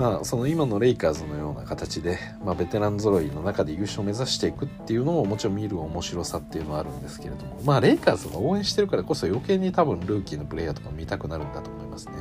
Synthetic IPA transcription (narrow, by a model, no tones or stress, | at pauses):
maːso̞no̞imano̞ɾe̞ikaːzɨno̞jo̞ːna̰kat̪at͡ɕid̪e̞ | mabe̞t̪e̞ɾãnzoɾo̞ino̞nakad̪e̞iɯ̟ɕio̞me̞zaɕi̥t̪e̞ikɯ̟t̪ːe̞jɯ̟no̞mo̞mo̞t͡ɕiɾõ̞mʲiɾɯomo̞ɕiɾo̞sat̪ːe̞jiɯ̟noaɾɯ̟̃nd̪e̞sɨ̥ke̞ɾe̞d̪o̞mo̞maːɾe̞ikaːzɨɡaoːẽɕi̥t̪e̞ɾɯ̟kaɾako̞so̞jo̞ke̞ːɲ̟ːit̪abɯ̟̃nɾɯ̟ːkʲino̞pɯ̟ɾe̞jːat̪o̞̥kamʲit̪akɯ̟naɾɯ̟̃nd̪at̪oːmo̞imasɨ̥ne